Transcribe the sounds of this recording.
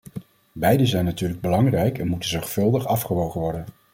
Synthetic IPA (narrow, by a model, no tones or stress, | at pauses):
bɛjdəzɛjnːatyːɹləɡ̚bəlɑŋrɛjkɛnmutənzɔɹχtfɵlˠdəχɑfχəʋowχəʋɔɹdən